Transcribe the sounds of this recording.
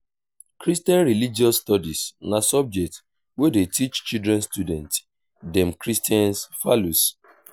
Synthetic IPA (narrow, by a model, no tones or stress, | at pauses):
kɹistjɛ̃nɹilid͡ʒiɔstɔdisnasɔb̚d͡ʒɛk̚t | wedetʰit͡ʃt͡ʃildɹɛ̃nstudɛ̃nt | dɛ̃mkɹistiɛ̃nsfalus